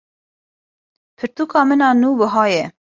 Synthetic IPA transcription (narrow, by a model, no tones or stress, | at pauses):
pʰɨɾt̪uːkɑːmɨnɑːnuːbəɦɑːjɛ